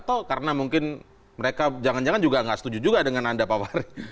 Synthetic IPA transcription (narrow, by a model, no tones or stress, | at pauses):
at̪awkaɾənamuŋkɪn | məɾekad͡ʒaŋand͡ʒaŋand͡ʒuɡaŋɡaʔsə̥t̪ud͡ʒud͡ʒuɡadəŋanandapawaɾi